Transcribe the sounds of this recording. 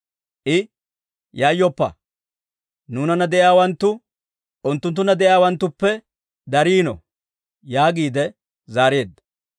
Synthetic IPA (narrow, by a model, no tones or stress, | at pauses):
ʔɪ | jaːjːɔpːɐ̰ | nuːnɐnɐd̪ɛʔjaːwɐnt̪ːʊ | ʔʊnt̪ːʊnt̪ːʊnɐd̪ɛʔjaːwɐnt̪ːʊpːɛ | d̪ɐɾiːnɔ̰ | jaːɡiːd̪ɛ | zaːɾeːd̪ːɐ̥